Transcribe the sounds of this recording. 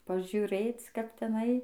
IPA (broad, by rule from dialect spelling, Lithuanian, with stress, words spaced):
pɐʒʲʊˈrʲeːt͡s kɐp tʲɛˈnɐɪ